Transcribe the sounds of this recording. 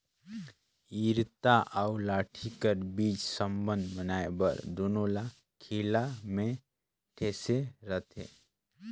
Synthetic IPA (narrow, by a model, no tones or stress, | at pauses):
iːɾt̪aʔaʊlaːʈʰikəɾbiːt͡ʃsəmbə̃nd̪bənaːebə̰ɾd̪oːnola | kʰiːlamẽ | ʈʰeːseɾət̪ʰḛː